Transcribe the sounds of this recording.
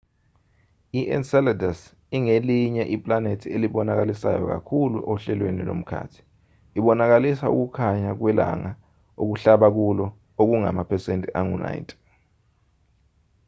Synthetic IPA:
iʔɛ̰nsɛladas | iŋeliɲɛʔipʼlanetʰieliɓɔnak̬alisa̰jɔ̰k̬a̰kʰuluʔoɬɛlwenḭlo̰m̩kʰa̰ːtʰi̥ | iɓɔnak̬alisaṵk̬ukʰaɲak̬wɛla̰ŋa | ok̬uɬaɓak̬ulɔ | ok̬uŋa̰mapʰɛsentʼiʔaŋuna̰intʼɛ̥

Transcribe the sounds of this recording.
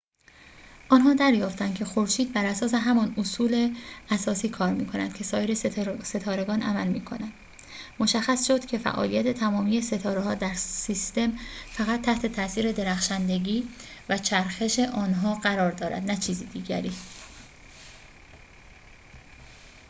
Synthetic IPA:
ʔɒːnɦɒːd̪æɾjɒːft̪ænd̪kcʰe̞xo̞ɾʃiːd̪̚bæɾæsɒːse̞ɦæmɒnosuːle̞æsɒːsiːkʰɒːɾmḭːkʰo̞næ̰nd̪̥cʰe̞sɒːjeɾese̞t̪ʰɒːɾe̞ɡɒːnʔæ̰mælmiːkʰo̞nænd̪̥ | mo̞ʃæxːæsʃo̞d̪̥cʲʰe̞fæ̰ʔɒ̰ːlijæt̪ʰe̞t̪ʰæmɒːmije̞se̞t̪ʰɒːɾeɦɒːd̪æɾsist̪e̞mfæɣæt̪ʰːæht̪ʰe̞t̪ʰæsiːɾe̞d̪e̞ɾæxʃænd̪e̞ɟiːvæt͡ʃʰæɾxe̞ʃe̞ʔɒːnɦɒːɢæɾɒːɾd̪ɒːɾæ̰d̪næt͡ʃʰiːziːd̪iːɟæ̰ɾiː

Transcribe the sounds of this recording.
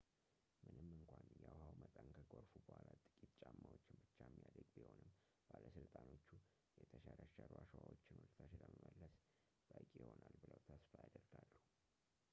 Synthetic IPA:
mɨnɨmːɨŋkʷʰanjawhawmət̪ʼənkʰəɡoɾfubəhʷalat̪ʼɨkʼit̪t͡ʃʼamːawot͡ʃːɪnbɨt͡ʃːajmːijad̪əɡ̚biho̞nɨmː | b̥aləsɨlt̪ʼano̞t͡ʃːu | jɛt̪ʰəʃaɾəʃəɾuaʃwawot͡ʃːɪnwɔlt̪ʰaʃd̪əməməlːəs | b̥əkʼjɪho̞nalbɨləwt̪ʰəsfajad̪əɾɡalːuh

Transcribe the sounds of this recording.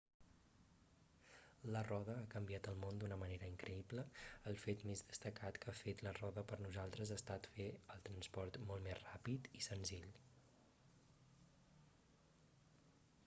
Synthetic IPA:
lərɔð̞əakəmbiat̪əlˠmond̪unəməneɾəiŋkɾəibləəlˠfet̪mezðəst̪əkat̪kafet̪lərɔðəpəɾnuzalˠt̪ɾəzast̪at̪feəlˠt̪ɾənspɔɾt̪mɔltmezrapit̪isənziʎ

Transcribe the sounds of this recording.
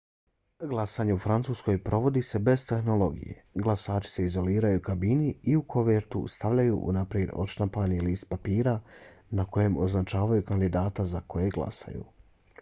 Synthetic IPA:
ɡlˠasaːɲe̞ufɾant̪suːsko̞jpɾʔo̞ʋo̞d̪ise̞be̞zt̪e̞xno̞lˠo̞ɡḭje̞̰ɡlˠasaːt͡ʃi̥se̞izo̞liːɾajukabiniiukʰo̞ʋeɾt̪ust̪aʋʎajuʔṵnapɾje̞d̪o̞̰ʃt̪ampaniliːst̪̚papiːɾanako̞je̞mo̞znat͡ʃaːʋajukand̪id̪aːt̪azako̞je̞ɡlˠa̰sa̰jṵ

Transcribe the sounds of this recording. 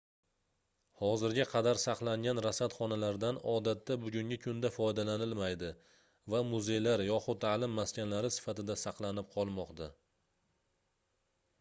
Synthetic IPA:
hɒzɪɾɡʲaqʰɑd̪aɾsɑqlˠaŋɡʲanɾasat̪χɒnalaɾd̪anɒd̪at̪ːabʊɡʲʊŋʲɪkʰʊnd̪afɒjd̪alanɪlmajd̪ɪ | vamʊze̞jlaɾjɒχʊt̪ʰːaːlɪmːaskʲanlaɾɪsɪ̥fat̪ɪd̪asɑqlˠanɪp̚qʰɒlˠmɒqt̪a

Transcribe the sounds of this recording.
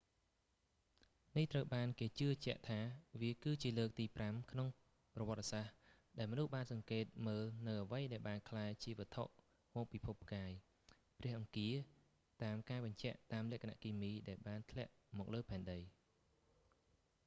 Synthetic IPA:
niht̪rəwɓaːnkeːt͡ɕɨət͡ɕɛ̆əʔt̪ʰaːʋiəkɨːt͡ɕiələːk̚t̪iːpramkʰnoŋ | prɑʋɔ̆ət̪̚ːasah | ɗaɛlmɔnuhɓaːnsɑŋkeːt̪̚məːlnɨwʔəʋəjɗaɛlɓaːnkʰlaːɛt͡ɕiəʋət̪ʰo̰ʔ | mɔːk̚pipʰup̚ʰːkaːj | prɛ̆əhʔɑŋkiə | t̪aːmkaːɓɑɲt͡ɕɛ̆əʔt̪aːmlɛ̆əʔkʰana̰ʔkiːmiːɗaɛlɓaːnt̪ʰlɛ̆əʔ | mɔːk̚ləːpʰaɛnɗəj

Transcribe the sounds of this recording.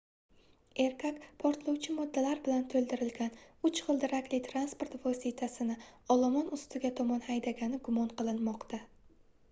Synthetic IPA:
e̞ɾkʰakpʰɒɾt̪lˠɒwt͡ʃʰɪmɒd̪ːalaɾbɪlant̪ʰɵlˠd̪ɪɾɪlɡʲanʊt͡ʃχɨlˠd̪ɪɾakʲlɪt̪ʰɾanspo̞ɾt̪vɒsit̪ʰasɪnɪɒlˠɒmɒnʊst̪ɪɡʲat̪ʰɒmɒnhajd̪aɡʲanɪɡʊmɒnqʰɨlˠɪnmɒqt̪ʰa

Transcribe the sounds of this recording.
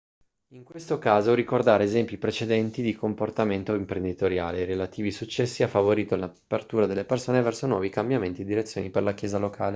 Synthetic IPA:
iŋkwest̪okaːzoɾikord̪aːɾeezɛmpjipɾet͡ʃed̪ɛnt̪id̪ikomport̪ament̪oimpɾend̪it̪oɾja̰ːleɾelat̪iːvisut͡ʃːɛsːiafːavoɾiːt̪olnapːert̪uːɾad̪elːepersoːnevɛrsonwɔːvikambjament̪ied̪ːiɾet̪sjoːniperlakjeːzalokʰaːle

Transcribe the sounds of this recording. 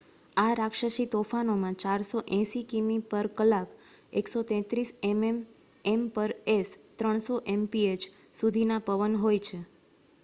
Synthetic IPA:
aɾakʃəʃit̪ofanomãt͡ʃaɾsoʔɛ̃ʃikimipəɾkəlak | eksot̪ɛ̃t̪ɾisemem | empəɾest̪ɾəɳ̃soʔempiet͡ʃ | sud̪ʱinapəʋənɦojt͡ʃʰe

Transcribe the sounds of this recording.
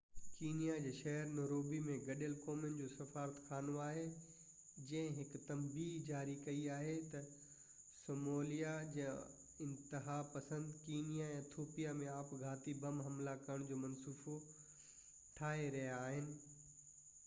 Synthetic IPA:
kiːnijad͡ʑeːʃɐɦəɾnoːɾoːbimẽɡɐɗəlkoːmjənd͡ʑoːsɐfaːɾət̪kʰaːnoaːɦe | d͡ʑɐ̃ɦɪ̃ɦɪkt̪ɐmbiːɦd͡ʑaːɾikɐiaːɦet̪ɐ | soːmoːlijad͡ʑɐ̃ | ɪ̃nt̪ɪɦapɐsə̃nd̪kiːnijaɛ̃ːt̪ʰoːpijamẽaːpɡʱaːt̪ibɐmɦɐmlakɐɾəɽ̃d͡ʑoːmɐnsuːfo | ʈʰaːɦeɾɐɦijaːɦɪnɪ̆

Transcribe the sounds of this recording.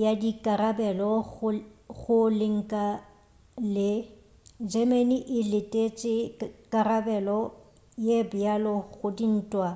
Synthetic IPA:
jadikʼarabɛlɔʊɣʊlɪŋ̩kʼa | lɪ | d͡ʒɛmeniʔɪlɪtʼet͡ʃʼɪkʼarabɛlɔ | jebʊjalɔɣʊdin̩ːtʼwa

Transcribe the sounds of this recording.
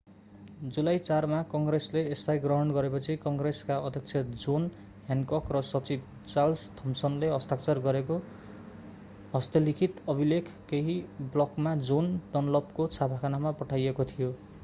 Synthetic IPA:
d͡zulajt͡sarmakʌŋɡresleːst̪ajɡrʌɦʌɳɡʌɾepʌt͡sʰikʌŋɡreskaʌd̪ʱjʌk̚t͡sʰjʌd͡zon | ɦjankʌkrʌsʌt͡sib | t͡salst̪ʰʌmsʌnleɦʌst̪ʰak̚t͡sʌrɡʌɾeko | ɦʌst̪ʌlikʰit̪ʌbilekʰkeɦiblʌkmad͡zond̪ʌnʌlʌbkot͡sʰapʰakʰanamapʌʈʰajekot̪ʰijo

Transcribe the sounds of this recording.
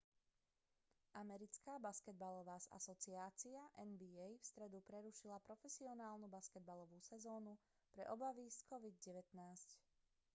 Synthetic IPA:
ʔamɛɾit͡skaːbaskɛd̪̚balɔʋaːza̰sɔt͡siaːt͡siaʔɛnbiɛjfst̪ɾɛd̪upɾɛɾuʃilapɾɔfɛsiɔnaːlnubaskɛd̪̚balɔʋuːsɛzɔːnu | pɾɛ̰ʔɔbaʋiskɔʋid̪̚ɟɛʋɛt̪naːsc

